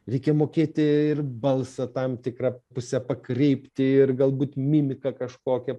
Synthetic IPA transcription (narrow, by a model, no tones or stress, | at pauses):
ɾʲɛɪkʲɛmoːkʲeːt̪ʲɪɪrbɐlˠsɐt̪ɐmt̪ʲɪkrɐpʊsʲɛpɐkrʲɛɪpʲt̪ʲɪɪrɡɐlˠbuːt̪mʲɪmʲɪkɐkɐʃkoːkʲɛ